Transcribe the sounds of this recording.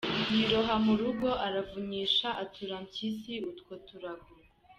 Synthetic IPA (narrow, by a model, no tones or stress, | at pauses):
jiɾoɦamuɾuɡo̞ʔaɾavuɲiːʃaʔatʰuɾamcisiutkwotuɾaɡuɾe